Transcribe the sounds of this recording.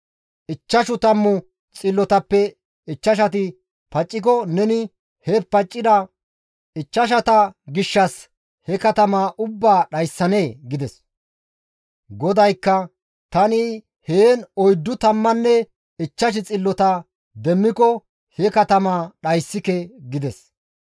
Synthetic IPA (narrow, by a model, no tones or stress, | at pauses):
ʔɪt͡ʃːɐʃʊt̪ɐmːʊ | t͡sʼɪlːɔt̪ɐpːɛ | ɪt͡ʃːɐʃ̬ɐt̪̬ɪ | pɐt͡ʃʼːɪk̬ɔnɛnɪ | hɛpɐt͡ʃʼːɪd̪ɐ | ɪt͡ʃːɐʃ̬ɐt̪ɐɡɪʃːɐs | hɛkɐt̪ɐmaʔʊbːaːɗɐjsːɐne̞ːɡɪd̪ɛs | ɡɔd̪ɐjkːɐ | t̪ɐnɪ | heːnɔjd̪ːʊt̪ɐmːɐnːɛ | ɪt͡ʃːɐʃ̬ɪt͡sʼɪlːɔt̪ɐ | d̪ɛmːɪkɔ | hɛkɐt̪ɐmaːɗɐjsːɪkɛɡɪd̪ɛs